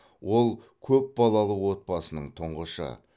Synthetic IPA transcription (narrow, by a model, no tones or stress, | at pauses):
wo̞lˠ | kʲʰɵp̚bɑlˠɑlˠəwo̞t̪̚bɑsənəɴt̪ʰʊɴʁəʃə̰